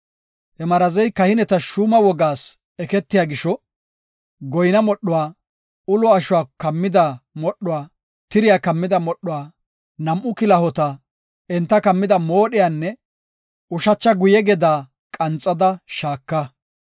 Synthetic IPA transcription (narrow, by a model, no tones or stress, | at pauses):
hɛmɐɾɐzɛjkɐhɪnɛt̪ɐʃuːmɐwɔɡaːs | ɛkɛt̪ːɪjaːɡɪʃɔ | ɡɔjnɐmɔɗːʊwaː | ʊlɔɐʃʊwaːkɐmːɪd̪ɐmɔɗːʊwaː | t̪ɪɾɪjaːkɐmːɪd̪ɐmɔɗːʊwaː | nɐmʔʊkɪlɐhɔt̪ɐ | ɛnt̪ːɐkɐmːɪd̪ɐmoːɗɪjaːnːɛ | ʊʃɐt͡ʃːɐɡʊjɛɡɛd̪aː | kʼɐnt͡sʼːɐd̪ɐʃaːkːɐ